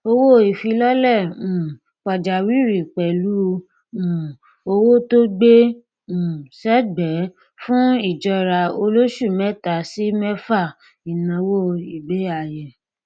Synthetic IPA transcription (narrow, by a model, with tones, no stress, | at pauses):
o˧wo˦˨i˨fi˧lɔ˦lɛ˦˨ũ˨ | k͡pa˨d͡ʒa˨wi˦ɾi˨k͡pɛ˨lu˦ | ũ˨ | o˧wo˦to˦ɡ͡bẽ˦˨ | sɛ˦bɛ˨˦ | fũ˦i˨d͡ʒɔ˧ɾa˧o˧lo˦ʃu˦˨mɛ˦ta˨si˦mɛ˦fa˦˨ | i˨nã˧˦wo˦i˨be˦a˨jɛ˨